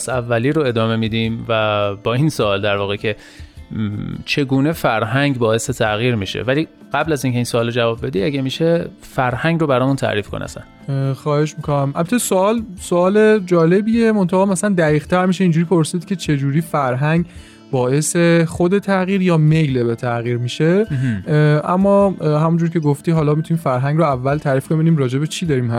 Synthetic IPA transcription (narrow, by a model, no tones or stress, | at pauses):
sævːæliːɾoe̞d̪ɒːme̞mid̪iːmvæbɒːinsoɒːld̪æɾvɒːɣecʰe | t͡ʃʰe̞ɡuːne̞fæɾɦæŋɟbɒːe̞set̪ʰæɣiːɾmiːʃḛvæliː | ɢ̥æblæziːncʰe̞insoɒːlod͡ʒævɒːbːe̞d̪iːæɟæmiːʃe | fæɾhæŋɡrobæɾɒːmunt̪ʰæ̰ʔɾiːfkʰo̰nḛæ̰sæ̰n | xɒːhe̞ʃmikʰonæmʔæbæt̪ʰːesoɒːlsoɒːle̞d͡ʒɒːle̞biːemont̪ʰæɣɒːmæsælænd̪æɣiːɣt̪ʰæɾmiːʃeind͡ʒuːɾipʰoɾsid̪cʰʲe̞t͡ʃʰe̞d͡ʒuːɾiːfæɾɦæŋɡ | bɒːʔe̞sexod̪e̞t̪ʰæɣiːɾjɒːme̞jlebet̪ʰæɣiːɾmiːʃe̞ | ʔæ̰mːɒːɦæmund͡ʒuɾcʰe̞ɡoft̪iːɦɒːlɒːmit̪ʰuniːmfæɾɦæŋɡɾoævːælt̪ʰæːɾiːfbebiniːmɾɒːd͡ʒe̞bet͡ʃʰid̪ɒːɾiːmhæs